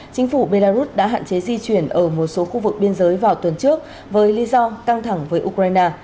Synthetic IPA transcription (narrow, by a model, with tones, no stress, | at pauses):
t͡ɕï˨˦ŋ̟fu˧˩ɓe˧laː˧zu˦˥t̚ɗa̰ː˧˥ɦa̰ː˧˨nt͡ɕe˨˦zi˧t͡ɕwi˧˩ənʔəː˧˩mo˨˩t̚so˨˦xu˧vɨ˨˩k̚ɓi˧ənzəː˨˦jvaː˨˩wt̪wə˨˩nt͡ɕɨ˦˥ək̚ | vəː˨˦jli˨˦zɔ˧ka˧ŋt̪ʰa˧˩ŋvəː˨˦jʔu˧kɾaː˧jnaː˧